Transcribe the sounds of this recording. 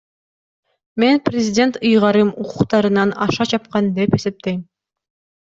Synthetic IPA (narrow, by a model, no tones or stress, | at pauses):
me̞nprʲɪzʲɪdʲe̞nt̪ɯjʁɑɾɯmuqʰuqt̪ɑɾɯnɑnɑ̰ʃɑt͡ʃʰɑp̚qɑnd̪e̞pe̞se̞p̚t̪e̞jm